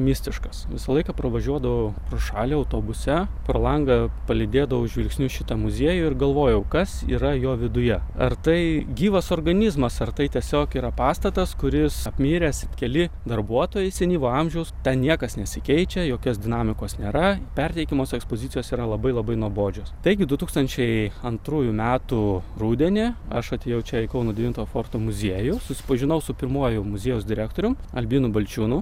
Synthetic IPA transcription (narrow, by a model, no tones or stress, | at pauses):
mʲɪsʲt̪ʲɪʃkɐsʋʲɪsɐlˠɐɪkɐpɾɐʋɐʒʲuɔd̪ɐʋoʊpɾoːʃɑːlʲeɐʊt̪oːbʊsʲɛproːlˠɐŋɡɐpɐlʲɪd̪ʲeːd̪ɐʋɐʊʒʲʋʲɪlʲksʲnʲʊʃʲɪt̪ɐmʊzʲiɛjʊɪrɡɐlˠʋoːjɛʊkɐsḭːɾɐjoːʋʲɪd̪ʊjɛɐ̰rt̪ɐɪɡʲiːʋɐsoːrɡɐnʲizmɐsɐrt̪ɐɪt̪ʲiɛsʲoːkiːɾɐpɑːst̪ɐt̪ɐskʊɾʲɪsɐpʲmʲiːɾʲɛsʲɪkʲɛlʲɪd̪ɐrbuɔt̪oːjɛɪsʲɛnʲiːʋoːɐmʲʒʲɛʊst̪ʲɛnnʲiɛkɐsnʲɛsʲɪkʲɛɪt͡ʃʲɛjoːkʲoːsd̪ʲɪnɑːmʲɪkoːsnʲeːɾɐpʲɛrʲt̪ʲɛɪkʲɪmoːsɛkspoːzʲɪt̪sʲɪjoːsiːɾɐlˠɐbɐɪlˠɐbɐɪnuɔboːd͡ʒʲoːst̪ɐɪɡʲɪd̪ʊt̪uːkst̪ɐnʲt͡ʃʲɛɪɐnt̪ɾuːjʊmʲæːt̪ʊruːd̪ʲɛnʲeɐʃɐt̪ʲeːjɛʊt͡ʃʲɛɛɪkɐʊnuɔdʲɛʋʲint̪oːjɔfoːrt̪oːmʊzʲiɛjʊsʊsʲɪ̥pɐʒʲɪnɐʊsʊpʲɪrmuɔjʊmʊzʲeɛjʊsd̪ʲɪɾʲæːkt̪oːɾʲʊmɐ̰lʲbʲiːnʊbɐlʲt͡ʃʲuːnʊ